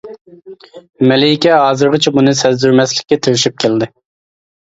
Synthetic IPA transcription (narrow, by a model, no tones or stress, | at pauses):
mɛleikʲɛɦɑːzɨɾʁɑt͡ʃʰɛbunɨsɛzd̪yɾmɛslɪkʲːɛt̪ʰeɾʃyp̚kʲʰeld̪ɪ